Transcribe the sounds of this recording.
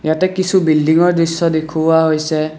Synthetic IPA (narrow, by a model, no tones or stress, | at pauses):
jatɛkisʰubildiŋɔɹdɹisːɔd̪ekʰubaɦojsɛ